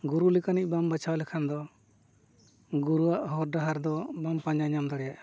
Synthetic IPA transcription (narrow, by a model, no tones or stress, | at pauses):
ɡuɾulɛkanic̚ˀbambat͡ʃʰawalɛkʰand̪ɔ | ɡuɾuaʔhɔɾɖaɦaɾd̪ɔbampaɲaɲamd̪aɽɛjaʔ